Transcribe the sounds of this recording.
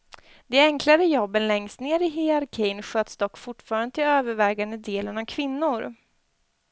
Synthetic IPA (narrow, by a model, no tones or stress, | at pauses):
d̪̥ɛɛŋklaɾəjɔbːənlɛŋst̪neːɾɪɦɪaɾkʰɛjnɧøːt̪sd̪ɔkːfʊʈːfɑːɾand̪ət̪ʰɪløːvəɾvɛːɡand̪əd̪eːlənavkʰvɪnːʊɾ